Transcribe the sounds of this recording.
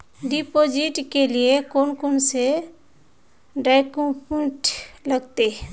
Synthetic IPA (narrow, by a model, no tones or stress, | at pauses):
ɖipod͡ʒɪʈkeliekoːnkonse | ɖaɪkõpẽʈləɡt̪e